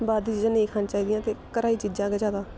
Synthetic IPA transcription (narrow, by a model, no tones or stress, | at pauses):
baːd̪iːt͡ʃid͡ʒãːnəĩkʰaːnːt͡ʃaːiːd̪ɪjãːt̪eːkəɾaːiːt͡ʃid͡ʒãːkɛːd͡ʒaːd̪aː